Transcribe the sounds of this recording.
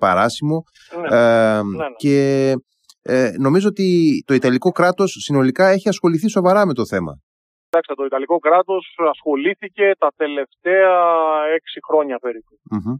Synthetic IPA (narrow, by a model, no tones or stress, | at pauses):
pɐ̰ɾɐsimo̞ | n | ce̞ | no̞mizoot̪it̪o̞it̪ɐliko̞kɾɐt̪o̞sːino̞likɐe̞çiɐsxo̞liθiso̞vɐɾɐme̞t̪o̞θe̞mɐ̰ | id̪ɐkst̪et̪o̞it̪ɐliko̞kɾɐt̪o̞sɐsxo̞liθice̞t̪ɐt̪e̞le̞ft̪eɐe̞ksixɾo̞ɲɐpeɾipum̩